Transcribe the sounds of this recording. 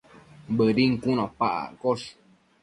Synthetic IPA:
bəɾiŋ̩kunõpaʔa̰koʂ

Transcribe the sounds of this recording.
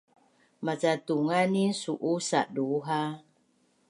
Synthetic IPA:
mat͡satuŋanisuʔusaʔduɦa

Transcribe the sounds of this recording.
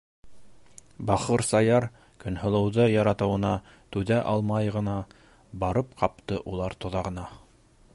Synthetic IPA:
bɑχɤɾsɑjɑɾ | kɵ̆nhŏlˠɤ̆wðɤjɑɾɑt̪ɤ̆wɤ̆nɑ | t̪ʉðæʔɑlˠmɑjʁɤ̆nɑ | bɑɾɤp̚qɑp̚t̪ɤʔulˠɑɾt̪ŏðɑʁɤ̆nɑ

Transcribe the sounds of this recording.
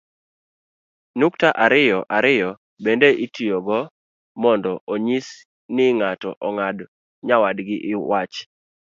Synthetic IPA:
nuktaʔaɾɪjɔʔaɾɪjɔ | bendeʔitijoɡɔ | mɔndɔʔoɲis | nɪŋatɔ̰ʔɔŋad | ɲawadɡɪʔɪwat͡ʃ

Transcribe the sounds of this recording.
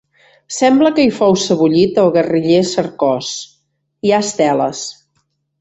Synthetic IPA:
sɛmbləkəifowsəβuʎit̪əlˠɣəriʎesəɾkɔs | iaəst̪ɛlə̰s

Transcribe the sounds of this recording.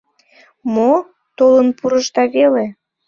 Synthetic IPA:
mo | t̪olənpuɾəʃt̪ɑβele

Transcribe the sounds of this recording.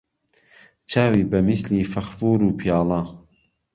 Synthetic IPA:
t͡ʃʰaːwiːbɐmisliːfɐxfuːɾuːpʰijaːlˠɑː

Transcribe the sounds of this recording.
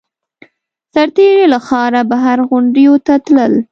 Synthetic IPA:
saɾt̪eɾelaxɑɾabaɦaɾɣʊɳɖjot̪at̪ləl

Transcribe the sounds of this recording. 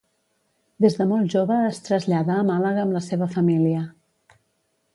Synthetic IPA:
d̪ezðəmɔlˠʒoβəːst̪ɾəzʎaðəːmaləɣəəːmləseβ̞əfəmiliə

